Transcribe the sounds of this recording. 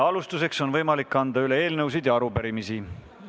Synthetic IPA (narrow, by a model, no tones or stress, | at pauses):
ɑlust̪use̞kso̞nvɤjmɑlikːɑnd̪̥ɑyle̞e̞ːlnɤws̬id̪̥jɑɑɾupeɾimisi